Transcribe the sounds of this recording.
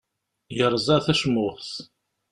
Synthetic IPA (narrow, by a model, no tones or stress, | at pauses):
jəɾˤzˤɑθæʃmʊθθ